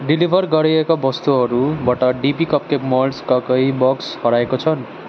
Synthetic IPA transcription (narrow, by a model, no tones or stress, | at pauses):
ɖilibʱʌrɡʌɾiekabʌst̪uɦʌɾubʌʈʌɖipikʌp̚kepmʌlskʌkʌjbʌkshʌɾaekot͡sʰʌn